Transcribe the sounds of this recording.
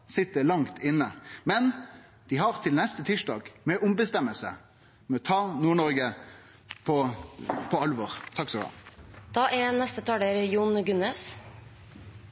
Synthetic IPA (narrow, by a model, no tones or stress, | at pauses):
sɪt̪ːəlɑŋt̪ʰɪnːəmɛn | d̪̥ɪɦɑʁt̪ʰɪlnɛst̪ət̪ʰiʂɖɑ̰ːɡmɛʔʊmbəst̪ɛməlsə̰ | mɛɔt̪ʰɑːnuːɳɔɾɡə | pʰɔpʰɔɑlʋɔʁt̪ʰɑksɔʋɑ̰d̪̥ɑːʔɛnɛst̪ət̪ʰɑːɖeɾjuːnɡʉneːs